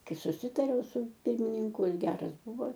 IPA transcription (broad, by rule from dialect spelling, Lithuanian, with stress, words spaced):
ˈkɐɪ sʊˈsʲɪtɐrʲɛʊ sʊ ˈpʲɪrʲmʲɪnʲɪŋkʊ ˈjɪs ˈɡʲæːrɐs ˈbʊʋoː